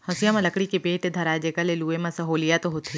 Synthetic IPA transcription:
hɐ̃sijamãlɐkɽikepeːʈd̪ʱɐɾaːd͡ʒekəleluːemãsɐɦoːlijat̪oɦot̪ʰi

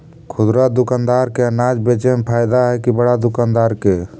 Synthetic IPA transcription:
kʰʊd̪ɾad̪ʊkaːnd̪aːɾkeənaːd͡ʒbeːt͡ʃempʰaːɪd̪aɦɛkibəɽad̪ʊkaːnd̪aːɾke

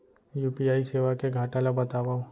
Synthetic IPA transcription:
juːpijaːiseːʋakeɡʱaːʈalabɐt̪aːʋaːo

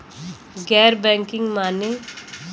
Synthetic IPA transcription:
ɡɛːɾbɛ̃ːŋkɪŋɡmaːne

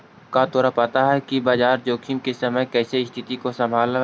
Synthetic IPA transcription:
kat̪oːɾapaːt̪aɦɛkibaːd͡ʒaːɾd͡ʒoːkʰimkesɐməjkɛːseɪst̪ʰɪt̪ikosɐ̃mbʱaːl

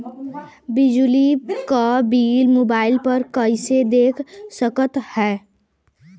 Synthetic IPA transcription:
bɪd͡ʒlikabiːlmoːbaːɪlpɐɾkɐɪsed̪eːkʰsəkət̪hɛː

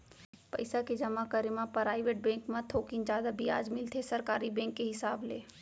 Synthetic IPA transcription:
pɐ̰ɪsaked͡ʒɐmakəɾemãpɾaːɪʋeːʈ̚bɛ̃ːŋkmãt̪ʰoːkɪnd͡ʒjaːd̪abɪa̰ːd͡ʒmɪlt̪ʰesɐɾkaːɾibɛ̃ːŋkːeɦɪsaːblḛː

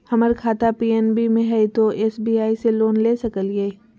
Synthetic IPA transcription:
hɐməɾkʰaːt̪apiːɛːnbimẽɦɛit̪oʔeːsbiaːiseloːnleːsɐkəljei

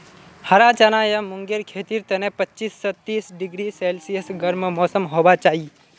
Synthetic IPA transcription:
həɾat͡ʃanajamʊŋɡeɾkʰeːt̪iɾt̪ənẽpətːt͡ʃiːsːɔt̪iːsɖɪɡɾiseːlsiəsɡəɾməmɔːsəmɦobat͡ʃaːɦi

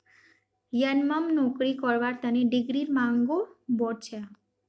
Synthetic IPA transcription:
jənməmnɔkɾikɔɾʋaɾt̪əneɖiɡɾiɾmãŋɡobɔɾt͡ʃʰa

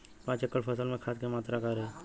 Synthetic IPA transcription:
pãːt͡ʃəkːəɽpʰəsəlmẽkʰaːskemaːt̪ɾakaɾe

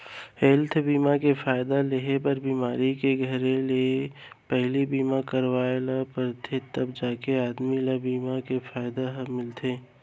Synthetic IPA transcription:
heːlt̪ʰbiːmakefaːɪd̪aleɦepəɾbiːmaːɾikeɡʱəɾele | pɛɦlibiːmakəɾwaːelapəɾt̪ʰet̪ɐbd͡ʒaːkeaːd̪milabiːmakefʰaːɪd̪amɪlt̪ʰeː

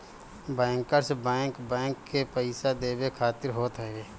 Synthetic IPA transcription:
bɛ̃ːŋkəɾsbɛ̃ːŋkbɛ̃ːŋkːepəɪsad̪eːbekʰaːt̪ɪɾɦoːt̪ɦɛeː

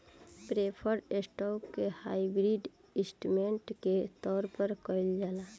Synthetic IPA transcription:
pɾepʰəɾesʈɔːkkehaːibɾiɖ | ɪ̃sʈumẽɳʈket̪ɔːɾpəɾkɔɪld͡ʒaːla

